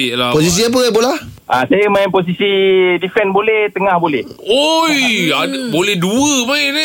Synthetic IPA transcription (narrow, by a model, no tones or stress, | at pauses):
lapos̬is̬iap̬əp̬əlahʔã̰sajəmãmpos̬isidifɛnbolɛht̪əŋãhbolɛh | ojadbolɛhduəba